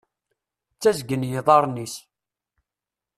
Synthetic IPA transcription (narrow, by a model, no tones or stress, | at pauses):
t͡sːæzɡənjiðˤɑɾˤnis